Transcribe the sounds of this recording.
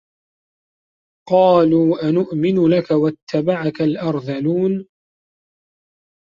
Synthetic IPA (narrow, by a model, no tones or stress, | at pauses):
qɑːluːʔanʊʔmɪnʊlakawat̪ːabaʕakalʔɑɾˤðaluːn